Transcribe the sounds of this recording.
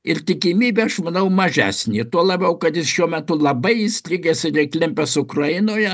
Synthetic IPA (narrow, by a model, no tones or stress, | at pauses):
ɪrt̪ʲɪkʲɪmʲiːbʲeːɐʃmɐnɐʊmɐʒʲæ̰ːsʲnʲit̪uɔlˠɐbʲɛʊkɐt̪jɪsʃʲuɔmʲɛt̪ʊlˠɐbɐɪɪsʲlʲɪɡʲesɪrɛɪklʲɪmʲpʲɛsʊkrɐjɪnoːjɛ